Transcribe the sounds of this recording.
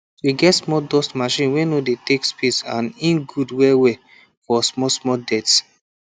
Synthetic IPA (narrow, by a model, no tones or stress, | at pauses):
wiɡɛtsmɔdɔstmaʃĩnwɛnodetekspisã̰nĩnɡudwɛwe | fɔsmɔsmɔdɛts